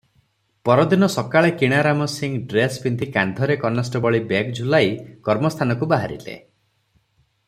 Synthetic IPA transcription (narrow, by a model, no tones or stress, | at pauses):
pɔɾɔd̪inɔsɔkaɭekiɽ̃aɾamɔsiŋɖɾespint̪ikand̪ʱɔɾekɔnasʈɔbɔɭibekd͡ʒulajkɔɾmɔst̪ʰanɔkubaɦaɾḭlḛ